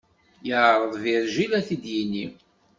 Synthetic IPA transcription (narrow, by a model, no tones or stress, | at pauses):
jəʕɾˤəðˤviɾʒilæθid̪jinːi